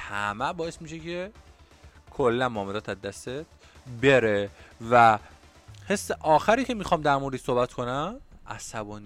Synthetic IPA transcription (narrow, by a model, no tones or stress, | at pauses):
hæmæbɒːjesmiːʃe̞cʰe̞ | kʰolːænmɒːmed̪ɒːt̪ʰæzd̪ːæst̪et̪̚ | be̞ɾevæ | he̞sːeʔɒːxæɾiːcʰe̞mixɒːmd̪æɾmoɾd̪iːso̞hbæt̪kʰo̞næmʔæsæbɒːni